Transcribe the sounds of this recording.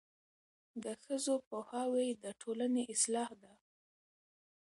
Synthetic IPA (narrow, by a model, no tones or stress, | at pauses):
d̪əxəzopohɑwejd̪əʈʰolaneʔɪslɑhd̪a